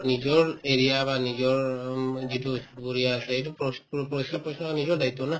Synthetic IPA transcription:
nizɔɹeɹijabanizɔɹzitubuɹijasɛetuppɔsɔpɔsnɔanizɔɹdajtːɔna

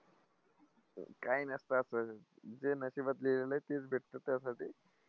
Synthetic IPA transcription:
kainəst̪əːsə | d͡zenəɕibət̪leleləjt̪et͡sbʱeʈt̪ət̪ːjasaʈiː

